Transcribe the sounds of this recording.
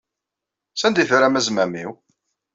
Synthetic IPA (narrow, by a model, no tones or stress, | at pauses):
sænd̪ifɾæmæzmæmiw